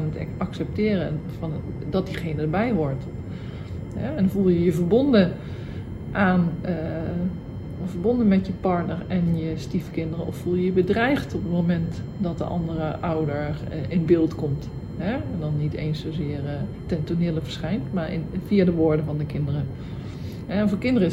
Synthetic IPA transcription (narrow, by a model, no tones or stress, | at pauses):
nətɛ̰ɑksɛp̚tɪːrəfɔndɔt̚diχejnədəɹbɛjʋɔɹt | ɦɛɛnvulˠjəjəvəɹbondə | ʔaːn | vəɹbondənmɛtjəpɑɹtnəɹɛnjəstifkɪndərəɔffulˠjəjəbədrɛjxtɔpətmomɛnt | dɔt̚də̰ʔɑ̰ndərəʔawdəɹʔɪnbɪːlˠtkɔmt | ɦɛɛndɔnːiteːnsoːzɪər | tɛntonɪːləvəɹsχɛjntmaɹɪ̰nfiadəʋoːɹdəvɔndəkɪndərə | ɦɛfkɪndərə